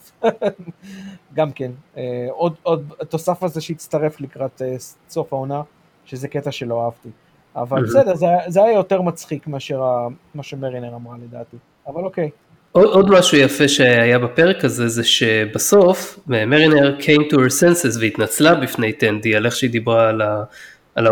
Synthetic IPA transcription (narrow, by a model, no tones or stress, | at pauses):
ɡamkeneodo̞d̪at̪o̞safazeʃeit͡st̪aʁe̞flikʁat̪e | so̞faona | ʃezeketaʃe̞lo̞aavt̪i | avalbesede̞ʁzeajazeajajo̞te̞ʁmat͡sχikmeaʃe̞ʁamaʃemeʁineʁamʁale̞daːti | avalo̞kej | oo̞d̪maʃujafeʃeajabapeʁekazezeʃebaso̞femeʁineʁkʰejmtuhesensezveit̪nat͡slabifne̞jt̪end̪ialeχʃeid̪ibʁaːlaː | l